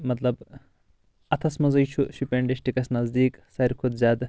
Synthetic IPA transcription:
mɐt̪lɐb | ɐt̪ʰɐsmɐzɐjt͡ʃʰuʃupʲeɳɖiʃʈikɐsnɐzd̪iːksɐɾʲkʰud̪zʲaːd̪

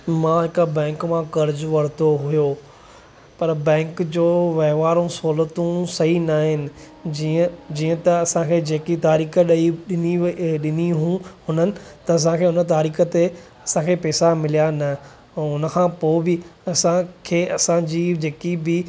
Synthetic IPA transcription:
mãːɦɪkəbɛ̃ːŋkmãkɐɾd͡ʑʋɐɽ̤t̪oɦʊjoː | pɐɾbɛ̃ːŋkd͡ʑoːʋɐɦʋaːɾũsoːlət̪ũsɐɦinaːɦɪnɪ̆ | d͡ʑiːə̃t̪ɐɐsãkʰed͡ʑeːkit̪aːɾiːkəɗiɗɪniɗɪniɦũhʊnənɪ̆t̪ɐɐs̬ãkʰeːʊnət̪̬aːɾiːkət̪e | ɐsãkʰeːpɛːsamɪlijanɐ | ʊnəkʰãːpoːbɪɐsãkʰeːʔɐsãd͡ʑiːd͡ʑeːkibɪ

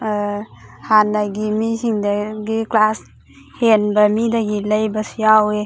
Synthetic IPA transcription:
hanaɡimisiŋdaɡiklas | henbamidaɡiləjbasijawe

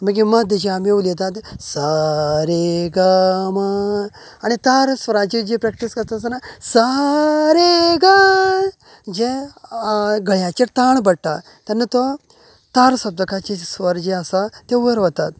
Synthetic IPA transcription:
məɡiməd̪ʱəd͡ʑeamiulet̪̬at̪saɾeɡama | añit̪aɾsʋəɾãt͡ɕid͡ʑepɾɛk̚ʈiskəɾt̪asanasaɾeɡa | d͡ʑe | ɡəɭjat͡ɕet̪aɳbəɽʈ̪a | t̪anːət̪ɔ | t̪aɾsəb̚d̪əkat͡ɕesʋəɾd͡ʑeasat̪eʋəɾʋət̪at̪̚

